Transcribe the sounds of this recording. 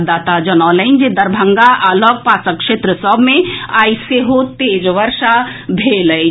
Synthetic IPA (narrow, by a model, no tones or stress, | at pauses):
d̪aːt̪ad͡ʒənɔːləɪnd͡ʒid̪əɾbʱəŋɡaʔaːlɔɡ̚paːsəkʃeːt̪ɾəsɔbʱmẽaːjseɦot̪eːd͡ʒʋəɾʃa | bʱelə